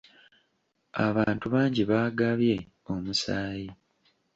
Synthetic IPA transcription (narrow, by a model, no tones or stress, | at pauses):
a̰βaːntuβaːɲɟiβaːɡaβje̞ | omusaːji